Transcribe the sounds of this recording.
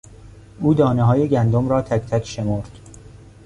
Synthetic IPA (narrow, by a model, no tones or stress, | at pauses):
ʔuːd̪ɒːneɦɒːje̞ɟænd̪omɾɒːt̪ʰæcʰt̪ʰækʰʃe̞moɾd̪̥